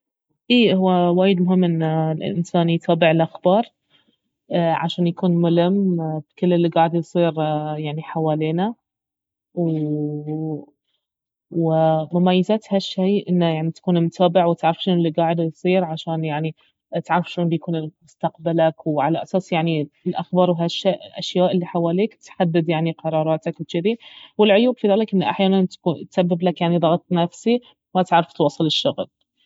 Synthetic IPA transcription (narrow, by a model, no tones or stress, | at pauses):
ʔiːhʊwːawaːjɪd̪mʊɦɪmːʔɪnːlʔɪ̰ʔɪ̰nsaːnijt̪ʰɑːbɪʕɪlʔaxbɑːɾˤ | ʕaʃaːnjakuːnmʊlɪmːb̥kɪlːɪlːiɡaːʕɪd̪jsˤiːɾjaʕniħawaːliːna | w | wɪmʊmajːazat̪haʃːajʔɪnːajaʕnit̪ḁkuːnlmʊt̪ʰaːbɪʕwɪt̪ʕaɾˤɑfʃoːnɪlːiɡaːʕɪd̪jsˤiːɾʕaʃaːnjaʕni | t̪ʕaɾˤɑfʃuːnbjakuːnɪmʊst̪aqbalakwʕalaʔasaːsjaʕniɪlʔaxbɑːɾˤwɦaʃːaːʔɪlʔa̰ʃjaːʔɪlːiħawaːliːkt̪ħad̪ːɪd̪jaʕniqɑɾˤɑːɾˤɑːt̪akwt͡ʃɪðiwɪlʕʊjuːbfiðaːlɪkʔɪnːaʔaħjaːnant̪kuːt̪sabːɪblakjaʕniðˤɑɣɑt̪ˤnafsi | mat̪ʕaɾˤːɑft̪wɑsˤːɨlɪʃːʊɣl